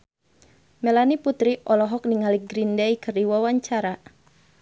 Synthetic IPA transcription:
mɛlaniput̪ɾiʔɔlɔɦɔk̚niŋaliɡɾindɛikɨrdiwawaɲt͡ʃaɾa

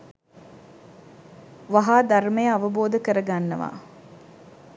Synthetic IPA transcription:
ʋaɦaːd̪aɾməjəaʋəboːd̪əkəɾəɡanːəʋa̰ː

